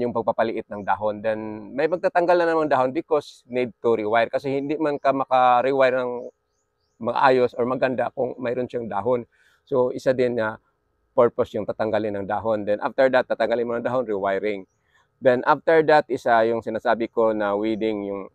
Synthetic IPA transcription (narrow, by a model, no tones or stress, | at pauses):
jʊŋpɐɡ̚pɐpɐlɪʔɪt̪̚nɐŋd̪aːɦond̪ɛnmɐjpɐɡ̚t̪at̪ɐŋɡalnɐnɐŋmɐŋɐd̪aːɦo̞nbɪkosnid̪̚t̪ʊɾɪwajɹkɐsɛhɪnd̪imankɐmɐkɐɾɪwajɾnɐŋ | mɐɡa̰ʔa̰ːjo̞soɹmɐɡɐnd̪akʊŋmɐjɾʊnʃaŋd̪a̰ːɦon | soʔɪsad̪ɪnŋɐ | pɛɹposjʊŋt̪at̪ɐŋɡalɪnɐŋd̪aːɦo̞nd̪ɛnʔa̰ft̪ɛɹd̪at̪ːat̪ɐŋɡalɪnmonɐd̪aːɦonɾɪwajɾɪŋ | d̪ɛnʔaft̪ɛɹd̪ɐt̪ʔɪsajʊŋsɪnaːsaːbɪko̞nɐwiːd̪ɪŋjʊŋ